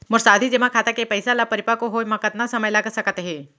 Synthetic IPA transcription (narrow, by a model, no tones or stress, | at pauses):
mʊɾsaːd̪ʱid͡ʒemãkʰat̪akepəɪsalapəɾɪpakoɦojmɐ̃kət̪nasɐməjlaɡəsɐkət̪ɦɛː